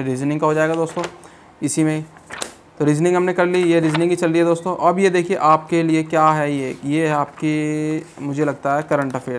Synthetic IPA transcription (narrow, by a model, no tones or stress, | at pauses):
ɾiːznɪ̃ŋkaɦod͡ʒaːeːɡad̪oːst̪õː | ɪsimẽi | t̪oɾiːznɪ̃ŋɡɦɐmnekɐɾlijeɾiːznɪ̃ŋɡit͡ʃɐld̪iɛd̪oːst̪õʔɐbʱjed̪eːkʰieʔaːp̚keliekjaːɦɛjejeaːp̚ki | mʊd͡ʒʱelɐɡ̚t̪aɦɛkɐɾə̃ɳʈɐfeːl